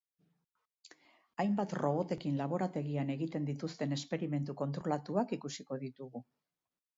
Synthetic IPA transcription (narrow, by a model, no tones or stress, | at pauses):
ajmbat̪ro̞β̞o̞t̪e̞kinlaβ̞o̞ɾat̪e̞ɣiane̞ɣit̪e̞nd̪it̪ust̪e̞ne̞spe̞ɾime̞nt̪uko̞nt̪ɾo̞lat̪uakikusiko̞ðit̪uɣu